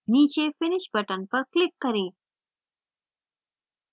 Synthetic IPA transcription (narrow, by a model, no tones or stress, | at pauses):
nit͡ʃefɪnɪʃbɐʈanpəklɪkːɐɾi